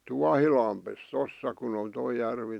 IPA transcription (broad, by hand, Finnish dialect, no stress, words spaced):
tuɑhilɑmpes tosːɑ kun on toi jærʋi